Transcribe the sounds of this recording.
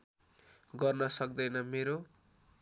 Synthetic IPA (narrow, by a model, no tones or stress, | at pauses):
ɡʌrnʌsʌkd̪ʌjnʌmeɾo